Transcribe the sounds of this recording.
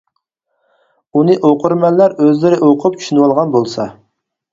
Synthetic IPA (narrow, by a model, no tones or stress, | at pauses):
unɨʔoqʰʊɾmɛnlːæɾøzlɪɾɪʔoqʰʊp̚t͡ʃʰy̥ʃynɨwɑlˠʁɑnbolˠsɑ̰